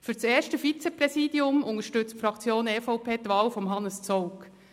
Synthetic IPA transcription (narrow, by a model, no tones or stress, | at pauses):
fyɾseːʃtəfit͡sepɾɛsiːdiʊmʊŋəʃtʏt͡stfɾɑkt͡sjoːnɛfɔʊpʰeːt̪ʋɑːlfɔmɦɑnəst͡sɔʊk